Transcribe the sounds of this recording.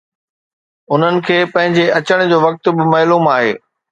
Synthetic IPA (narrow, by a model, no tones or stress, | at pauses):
ʊn̤ənɪ̆kʰeːpɐ̃ɦɪ̃ɲd͡ʑeʔɐt͡ɕəɽ̃d͡ʑoːʋɐk̚t̪ʊ̆bɪmɐːluːmaːɦeː